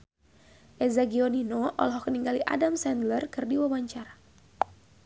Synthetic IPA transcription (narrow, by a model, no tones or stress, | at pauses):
ʔɛzaɡioninoʔɔ̰lɦɔkəniŋɡaliʔa̰damsɛndlərkɨrdiwawaɲt͡ʃaɾa